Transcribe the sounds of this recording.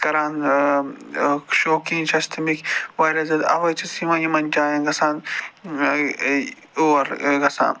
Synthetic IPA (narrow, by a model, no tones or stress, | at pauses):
kɐɾaːn | ʃoːkĩŋt͡ʃʰɐst̪ʰimikʲʋɐɾʲɐzɐd̪ɐ̰ʋɐjt͡ʃisimɐjimɐnʲt͡ʃaːjɐ̃nɡɐsaːn | uɐɾɡɐsa̰ːn